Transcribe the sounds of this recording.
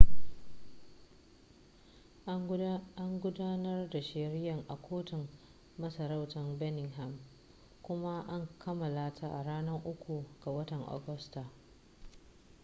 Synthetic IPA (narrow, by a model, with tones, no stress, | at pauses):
a˦ŋɡʷʊ˦daː˦nɐ˦rda˨ʃɪ˨ɾɪ˦jɐ˨ŋʔa˨kʷʰoː˦tɪ˨ŋː | ɐ˦sɐ˨ɾa˦wtɐ˨mbɛ˦nɪ˨ŋɦɛ˨m | kʷʊ˦ma˦ʔa˦ŋkʰɐ˦mɐ˨laː˦tʰa˦ʔa˨ɽaː˦nɐ˦ŋʔʊ˦kʷu˨ɡ̥a˨wɐ˦tɐ˨ŋʔo̰˨ɡʊ˦sta˨